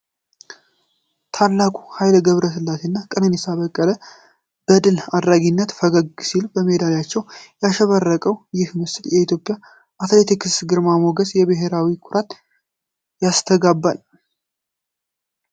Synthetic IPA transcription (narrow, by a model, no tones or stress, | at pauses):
t̪ʰalːakʼu̥hajlɡəβɾəsɨlːat̪ʰenːakʼənɨnɛsaβəkʼːələ | b̥əd̪ɨlad̪ɾaɡinːət̪fəɡəɡsilbəmed̪aljat͡ʃːɛwjaʃəβərːəkʼəwjɪhmɨst̪jɛit̪ʰjo̞pʼːja | ʔat̪let̪ʰikɨsɡɨɾmamo̞ɡəsjɛβɨɦe̞ɾawikʰʊɾat̪ | jast̪ʰəɡabːal